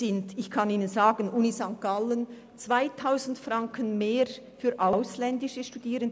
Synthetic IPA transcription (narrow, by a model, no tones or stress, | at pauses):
ɪndɪçkʰɑniːnənzaːɡənʔuːnizaŋkkalən | t͡sv̥aɪtʰaʊzn̩tfrɑŋkʰənmeːɾ | fyːɾʔaʊslɛndɪʃəʃtud̥iːɾən